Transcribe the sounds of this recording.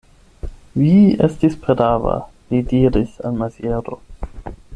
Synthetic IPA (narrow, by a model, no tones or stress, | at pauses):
viestispɾedava̰ | lidiɾisalmazjeɾo